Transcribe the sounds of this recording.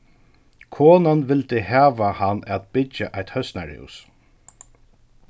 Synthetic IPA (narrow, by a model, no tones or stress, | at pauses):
kʰɔːnanʋɪlt̪ɪhæːʋahanːɛt̪b̥ɪt͡ʃːaʔajt̪hœst̪naɹɪ̰ws